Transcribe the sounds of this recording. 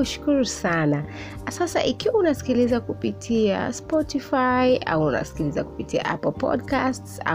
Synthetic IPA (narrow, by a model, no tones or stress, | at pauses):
uʃu̥kuɾusana | sasa̰ʔikiwaunasi̥kilizakupitʰia̰spɔtifaiʔa̰wːna̰si̥kilizaku̥pitia̰ʔa̰pɔlpɔ̰dkastsa̰